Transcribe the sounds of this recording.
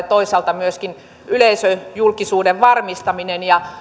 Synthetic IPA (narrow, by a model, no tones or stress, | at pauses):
t̪oisɑlt̪ɑmyøskin | yleisøjulkisuːdeʋʋɑrmist̪ɑminenjɑ